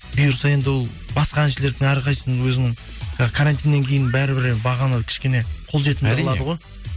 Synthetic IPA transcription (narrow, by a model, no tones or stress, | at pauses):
bijəɾsɑje̞nd̪ɪwolˠ | bɑsqɑænʃele̞ɾd̪ɪŋɑɾqɑjəsənwɵzɪnɪŋ | ɑəkʰaɾant̪ijnːe̞ŋkʲʰe̞jɪnbæɾɪbɪɾbɑʁɑnɑd̪kʲʰɪ̥ʃkʲe̞ne̞qʰo̞lˠʒe̞t̪ɪnd̪lˠɑd̪əʁo̞j